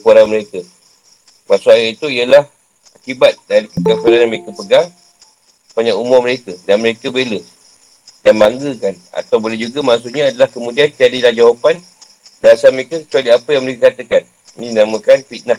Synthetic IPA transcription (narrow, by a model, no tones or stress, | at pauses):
əkuaɾaməɾekə | maʔsʊajait̪uiəlah | akibat̪̚daɾipəɡaŋsadanaməɾekəpəɡaŋ | paɲaumʊməɾekədanməɾekəbelə | danmaŋɡəkana̰t̪awbolɛd͡ʒuɡamasuʔɲaːdalahkəmũdiant̪iadilahd͡ʒawapan | daasaməɾekəkə̥t͡ʃualiapəjaŋməɾekəkat̪əkan | inĩdinamə̃kanfit̪̚na